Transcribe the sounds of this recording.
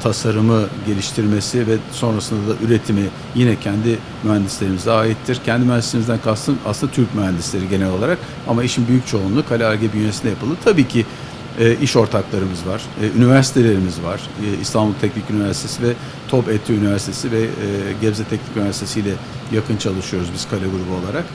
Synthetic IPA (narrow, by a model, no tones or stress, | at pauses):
t̪ʰasaɾɯmɯɟe̞lʲiʃt̪ʰiɾme̞sivɛso̞nɾasɯnd̪ad̪aʔyɾe̞t̪ʰimi | jinɛcʰænd̪i | myɦænd̪islʲe̞ɾimizɛaːjit̪ʰːiɾcʰɛnd̪imyɦhænslʲeimizd̪ænkʰast̪ʰɯna̰slɯnd̪at̪ʰyɾcmyɦænd̪islʲe̞ɾiɟe̞nɛlʲo̞lˠaɾak | amaiʃimbyjyc̚t͡ʃʰo̞unlˠukʰalʲaɾɟebyjnesind̪ɛjapʰɯlˠd̪ɯt̪ʰabiːcʰi | ɛːʔiʃo̞ɾt̪ʰaklˠaɾɯmɯzvaɾ̥ynivæɾsi̥t̪ʰe̞lʲe̞ɾimizvaɾ̥ḭst̪ʰanbulˠt̪ʰɛcnicynivæɾsi̥t̪ʰe̞sivɛ | t̪ʰo̞pet̪ʰːyynivæɾsi̥t̪ʰe̞sivɛɟɛbzɛt̪ʰɛcnicynivæɾsit̪ʰe̞sijlʲɛ | jakɯnt͡ʃʰalˠɯʃɯjo̞ɾuzbiz̥kʰalʲeɡuɾubuo̞lˠaɾak